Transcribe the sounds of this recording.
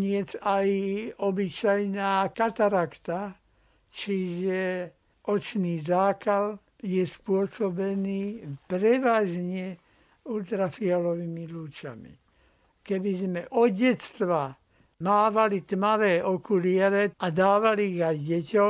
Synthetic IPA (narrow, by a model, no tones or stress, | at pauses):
ɲɪɛt͡sajɔbit͡ʃajnaːkat̪aɾakt̪a | t͡ʃiʒɛ | ʔɔt͡ʃniːzaːkal | jɛspʊɔsɔbɛniːpɾɛʋaːʒɲɛ | ult̪ɾafialɔʋimiluːt͡ʃa̰mḭ | kɛbizmɛʔɔɟɛt̪t͡st̪ʋa | maːʋalit̪maʋɛːʔɔkulɪɛɾɛad̪aːʋaliːɣajɟɛcɔ